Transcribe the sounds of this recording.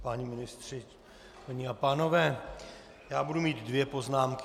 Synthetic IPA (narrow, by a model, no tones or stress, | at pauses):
paɲimɪnɪst̪r̥ɪ | paɲiapaːno̞vɛː | jaːbudumiːt̪dvjɛpo̞znaːmk